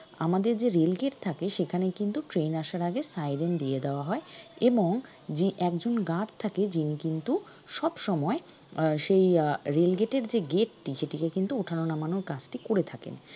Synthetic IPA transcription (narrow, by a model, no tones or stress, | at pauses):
a̰mad̪eɾd͡ʑeɾelɡeʈt̪ʰakeʃekʰanekint̪uʈɾenaʃaɾaɡesajɾend̪ied̪eoaɦɔeeboŋ | d͡ʑiʔɛkd͡ʑonɡaʈt̪ʰaked͡ʑinikint̪u | ʃɔbʃɔmɔeʃejɾelɡeʈeɾd͡ʑeɡeʈːiʃeʈikekint̪uoʈʰanonamanokad͡ʑʈikoɾet̪ʰakḛn